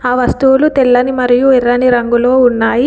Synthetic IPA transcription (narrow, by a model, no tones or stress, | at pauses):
aːʋɐst̪uwulut̪ɛlːɐnimɐɾijuirːɐniɾɐŋɡulo̞ːunːaːji